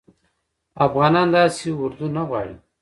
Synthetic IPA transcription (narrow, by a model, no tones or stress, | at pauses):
afɣaːnand̪aːsiwuɾd̪unaɣwa̰ːɻḭ